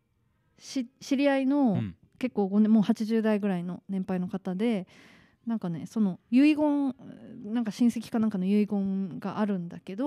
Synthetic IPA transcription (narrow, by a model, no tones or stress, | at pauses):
ɕiɕiɾʲiaino̞ | ke̞kːoːɡo̞nẽmo̞ːhat͡ɕiʑɨːd̪aiɡɯ̟ɾaino̞nẽ̞mpaino̞kat̪ad̪e̞ | nãŋkane̞so̞no̞jɯ̟iɡõ̞ŋnãŋkaɕĩɰ̃se̞kʲi̥kanãŋkano̞jɯ̟iɡõ̞ŋɡaʔaɾɯ̟̃nd̪ake̞d̪o̞